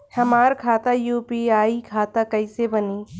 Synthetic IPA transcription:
hɐmaːɾkʰaːt̪ajuːpiaːikʰaːt̪akɐisebɐniː

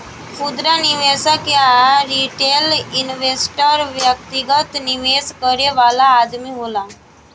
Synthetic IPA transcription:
fud̪ɾaniʋesəkjaɾiʈelinʋesʈəɾʋjək̚t̪iɡət̪niʋeskəɾeʋalaːd̪miːɦola

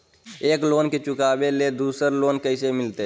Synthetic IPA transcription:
eːkloːnket͡ʃʊkaːbeled̪uːsəɾloːnkəɪsemɪlt̪e

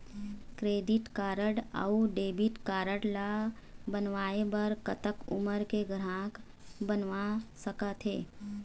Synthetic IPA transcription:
kɾeːd̪ɪʈkaːɾəɽə̰uɖeːbɪʈkaːɾəɽla | bənʋaːebəɾkət̪əkʊ̰məɾkeɡɾãːk | bənʋasəkət̪ɦḛː

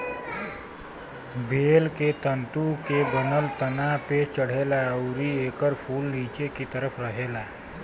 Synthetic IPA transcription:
bʱeːlket̪ənt̪ukebənəlt̪ənapet͡ʃəɽ̤eːlaəʊɾieːkəɾpʰuːlniːt͡ʃekit̪əɾəpʰɾəɦeːlaː

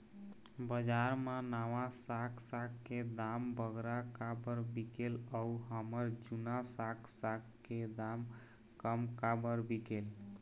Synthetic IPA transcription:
bəd͡ʒaɾmãnaʋãsakʰsakked̪ambəɡɾakabəɾbikeləuɦəməɾd͡ʒunasaksak | ked̪am | kəmkabəɾbikel

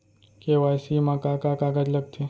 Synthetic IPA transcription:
keʋajsimãkakakaɡad͡ʒləɡ̚t͡ʃʰe

